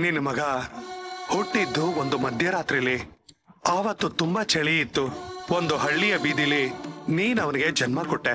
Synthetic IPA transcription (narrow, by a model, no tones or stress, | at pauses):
ninumɐɡɐ | hoʈːid̪ːuond̪umɐd̪ʱjɐɾaːt̪ɾilːi | aːʋɐt̪ːut̪umbɐt͡ʃɐɭiit̪ːuo̞nd̪uɦɐɭːijɐbiːd̪ilːiniːnɐʋɐniɡe̞d͡ʒɐnmɐkɔʈːe